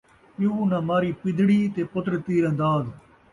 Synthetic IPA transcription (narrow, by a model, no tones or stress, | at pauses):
puuːnãːmaːɾiːpɪd̪ɽiːt̪eːpʊt̪ɾət̪iːɾə̃nd̪aːd̪